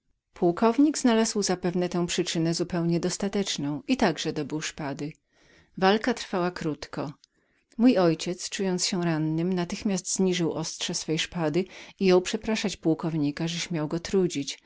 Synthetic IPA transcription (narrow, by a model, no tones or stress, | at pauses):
pʰuwkɔvɲiɡznalazwzapɛvnɛt̪ɛ̃w̃pʂɘt͡ʂɘnɛzupɛwɲɛd̪ɔst̪at̪ɛt͡ʂnɔ̃w̃it̪aɡʐɛd̪ɔbɘwʂpad̪ɘ | valkat̪ɾfawakɾut̪kɔ | mujɔjt͡ɕɛt̪st͡ʂujɔnt̪sɕɛɾanːɘmnat̪ɘxmʲjast̪z̥ɲiʐɘwʔɔstʂɛsfɛjʂpad̪ɘijɔ̃wpʂɛpɾaʂat͡ɕpuwkɔvɲikaʐɛɕmʲjawɡɔt̪ɾud͡ʑit͡ɕ